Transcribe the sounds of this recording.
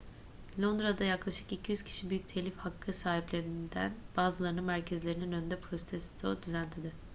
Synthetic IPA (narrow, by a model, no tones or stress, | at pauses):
lʲˠo̞nd̪ɾad̪ajaklˠaʃɯ̥kicʰijyz̥cʰi̥ʃibyjyc̚t̪ʰelʲifhakʰːɯsaːɦiplʲe̞ɾind̪æ̰nb̥aːzɯlˠaɾɯnɯnmæɾcʰezlʲe̞ɾininønynd̪ɛpʰɾosit̪ʰesi̥t̪ʰod̪yzænt̪ʰid̪ɪ